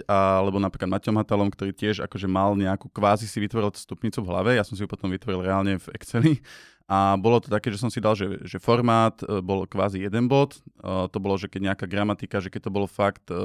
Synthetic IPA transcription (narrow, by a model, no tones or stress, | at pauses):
alɛbɔnapɾiklad̪macɔmɦat̪alɔmkt̪ɔɾiːcɪɛʒa̰kɔʒɛmalɲɛakukʋaːzisiʋit̪ʋɔɾilt̪u̥st̪upɲiːt͡suvɦla̰ʋɛjasɔmsiupɔ̥t̪ɔmʋit̪ʋɔɾilɾɛaːlɲɛvɛkt͡sɛli | ʔabɔlɔt̪ɔ̥t̪akɛːʒɛs̬ɔmsid̪alʒɛʒɛfɔɾmaːt̪bɔlkʋaːzijɛd̪ɛnbɔt̪t̪ːɔbɔlɔʒɛkɛɟɲɛakaɡɾamat̪ikaʒɛkɛc̚t̪ɔbɔlɔfakt̪